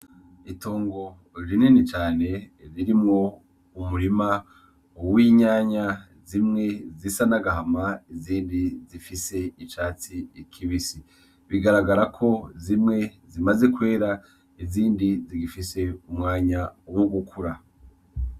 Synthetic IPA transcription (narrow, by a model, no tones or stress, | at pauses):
itʰo̞ːŋɡo̞ | ɾininit͡ʃaːne̞ɾiɾimŋo̞ | umuɾima | owiɲaɲa | zimŋe̞zisanaɡaɦamaiziːndizifise̞it͡ʃaːt͡siikʰiβisi | βiɡaɾaɡaɾakʰo̞zimŋe̞zimaze̞kwe̞ːɾa | iziːndiziɡifise̞umŋaːɲawoɡukʰuɾa